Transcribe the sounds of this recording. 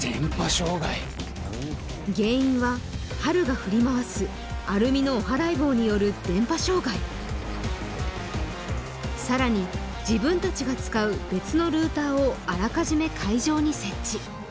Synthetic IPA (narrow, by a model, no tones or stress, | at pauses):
d̪̥ẽmpaɕo̞ːɡai | ɡe̞ːĩɰ̃βa | haɾɯ̟ɡaɸɯ̟ɾʲimaβasɨ | aɾɯ̟mʲino̞ːɦaɾaibo̞ːɲ̟ijo̞ɾɯ̟d̪ẽ̞mpaɕo̞ːɡai | saɾaɲ̟i | d͡ʑibɯ̟̃nt̪at͡ɕiɡat͡sɨ̥kaɯ̟be̞t͡sɨno̞ɾɯ̟ːt̪aːoaɾakaʑime̞kʰaiʑo̞ːɲ̟ise̞t͡ɕt͡ɕːi